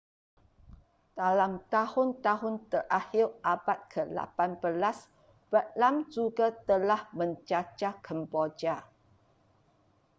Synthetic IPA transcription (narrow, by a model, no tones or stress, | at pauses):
d̥alamt̪ahʊnt̪aɦʊnt̪ərʔahɪrʔabat̪̚kʰəla̰panbəlas | b̥əʔlamd͡ʒuɡat̪əlahmə̃ɲt͡ʃat͡ʃakʰəmbod͡ʒa